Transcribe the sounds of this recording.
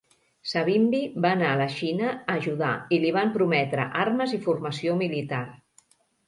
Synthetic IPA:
saβ̞imbibaːnaələʃinəːʒuða̰iliβ̞ampɾumɛt̪ɾə̰ʔarməzifurməsiomilit̪ar

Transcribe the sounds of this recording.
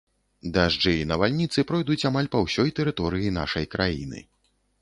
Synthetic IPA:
d̪aʐd͡ʐɛinɐvalʲnʲit̪sɨpɾɔjd̪ut͡sʲamalʲpɐwsʲɔjt̪ɛɾɨt̪ɔɾɨjin̪a̰ʂɐjkɾʔajḭnɨ̰

